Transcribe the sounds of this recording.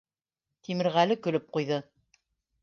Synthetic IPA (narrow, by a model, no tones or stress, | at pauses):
t̪imɘ̆ɾʁælɘkɵ̆lɵp̚qujðɤ